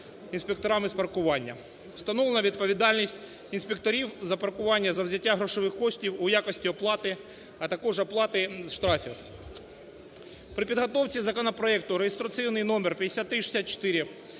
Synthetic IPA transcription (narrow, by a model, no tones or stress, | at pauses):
inspʲekt̪ɔɾamɪspɐrkʊʋɑnʲːɐ̥ | st̪ɐnɔlˠɐnɐʋʲid̪̚pɔʋʲid̪ɑlʲnʲisʲtʲ | insʲpʲek̚t̪ɔɾʲiwzɐpɐrkʊʋɑnʲːɐzɐwzʲɐtʲːaɦɾɔʃɔʋɪxkɔʃʲtʲiwʊjakɔsʲtʲiɔplˠɑt̪ɪ | ɐt̪ɐkɔʐɐplˠɑt̪ɪzʃt̪ɾɑfʲix | pɾɪpʲid̪ɦɐt̪ɔwt͡sʲizɐkɔnɐpɾɔɛk̚t̪ʊɾejest̪ɾɐt̪sijnɪjnɔmɛrpʲjɐd̪esʲat̪ːɾɪʃe̥sʲat̪̚t͡ʃɔ̥t̪ɪɾʲɪ